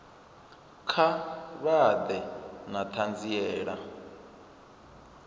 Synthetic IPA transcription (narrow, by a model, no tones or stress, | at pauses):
kʰaβad̪ɛnat̪ʰand͡ziɛːɺa